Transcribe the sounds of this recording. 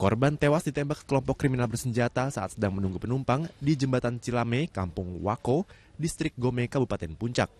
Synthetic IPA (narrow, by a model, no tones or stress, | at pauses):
kɔrbant̪ewasdit̪ɛmbakə̥kəlɔmpɔkːɾiminalbərsəɲd͡ʒat̪asaʔat̪̚sədaŋmənuŋɡupənumpaŋdid͡ʒəmbat̪ant͡ʃilamekampʊŋwa̰ko | dist̪ɾɪk̚ɡomekabupat̪ɛnpuɲt͡ʃak̚